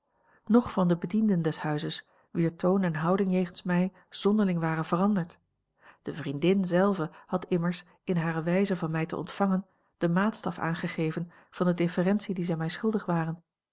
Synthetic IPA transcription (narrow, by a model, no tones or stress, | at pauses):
nɔχfɑndəbədindəndɛshœɥzəs | ʋiːɹtʰownɛnɦɑwdɪŋjejχənsmɛj | z̥ɔndəɹlɪŋʋaːrənvərɑndəɹt | d̥əvrindɪnzɛlˠvəhɑtʰɪməɹs | ɪnɦaːɾəʋɛjzəvɑnmɛjtə̰ʔɔ̰ntfɑŋən | d̥əmaːtstɑfa̰ːnχəχejvən | v̥ɑndədɪfərɛnsidizɛjmɛjsχɵlˠdəχʋaːrən